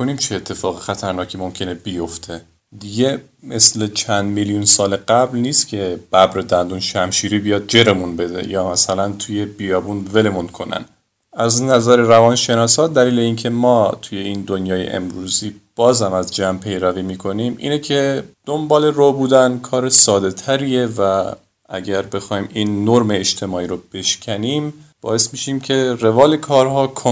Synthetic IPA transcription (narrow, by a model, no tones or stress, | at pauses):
onimt͡ʃʰeːt̪ʰːe̞fɒːɣexæt̪ʰæɾnɒːcʰiːmo̞mcʰe̞nebijo̞ft̪ʰe | d̪iɟe̞ | me̞sle̞t͡ʃʰænd̪miljunsɒːleɢæblniːst̪cʰe̞b̥æbɾed̪ænd̪unʃæmʃiːɾiːbijɒːd̪̚d͡ʒe̞ɾe̞munbe̞d̪e̞̰jɒːmæsælænt̪ʰuje̞b̥ijɒːbunve̞le̞munkʰo̞næ̰n | æznæzæɾeɾævɒːnʃe̞nɒːsɒːt̪d̪æliːle̞iːncʰe̞mɒːt̪ʰuːje̞iːnd̪onjɒːjḛʔḛmɾuːziːb̥ɒːzhæmæzd͡ʒæːmpʰe̞jɾæviːmiːkʰo̞nimʔḭːnecʰe̞d̪̥ombɒːle̞robuːd̪ænkʰɒːɾesɒːd̪e̞t̪ʰæɾie̞væ | ʔæɟæɾbe̞xɒːhiːmiːnːoɾme̞ːʃt̪ʰemɒːiːɾob̥e̞ʃcʰæniːmb̥ɒ̰ːe̞smiːʃiːmcʰe̞re̞vɒːlekʰɒːɾhɒːkʰo